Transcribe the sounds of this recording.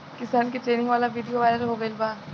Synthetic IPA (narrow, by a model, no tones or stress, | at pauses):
kɪsaːnkeʈɾeːnɪ̃ŋɡʋaːlaʋiːɖijoʋaːlaɾoɦoːɡɐelbaː